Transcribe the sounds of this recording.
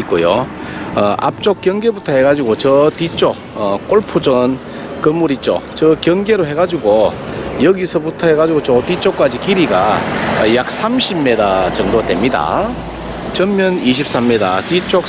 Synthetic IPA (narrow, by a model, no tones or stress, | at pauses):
ik͈ojoʌʔa̰p̚t͡ɕ͈ok͈jʌŋɡe̞butʰʌhe̞ɡad͡ʑiɡot͡ɕʌtit͡ɕ͈o | ʌk͈oɭpʰud͡ʑʌn | kɯmuɾit͡ɕ͈o̰t͡ɕʌkjʌŋɡe̞ɾoɦe̞ɡad͡ʑuɡojʌɡisʰʌbutʰʌheɡad͡ʑiɡot͡ɕotit͡ɕ͈ok͈ad͡ʑikiɾiɡa̰jak̚s͈ʰamɕʰiːe̞dat͡ɕʌŋdotwemɲida̰ | t͡ɕʌmmjʌniɕʰip̚s͈ʰamːeda̰tit͡ɕ͈ok̚